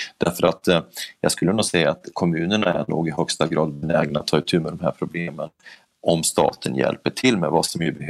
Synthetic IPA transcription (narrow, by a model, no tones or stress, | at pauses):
d̪̥æɾfœɾat̪jɑːɡskɵlːənuːɡsɛjːaːt̪kʰɔmʉ̟ːnəɳaæ̰ɳuːɡɪɦœkst̪aɡɾɑːd̪̚bɛnɛːɡnat̪ʰːɑːɪt̪ʰʉ̟ːmɛd̪ɔmɦæɾpʰɾʊbleːmən | ʔɔmst̪ɑ̰ːt̪ʰənjɛ̰lpəʈʰɪlmɛvasɔmjɵbɛh